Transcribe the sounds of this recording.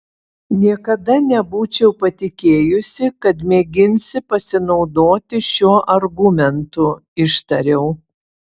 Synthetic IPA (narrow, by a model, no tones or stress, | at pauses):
nʲiɛkɐd̪ɐnʲɛbuːt͡ʃʲɛʊpɐt̪ʲɪkʲeːjʊsʲɪkɐt̪mʲeːɡʲɪnʲsʲɪpɐsʲɪnɒʊd̪oːt̪ʲɪʃʲuɔʔɐɾɡʊmʲɛnt̪ʊɪʃt̪ɐɾʲɛʊ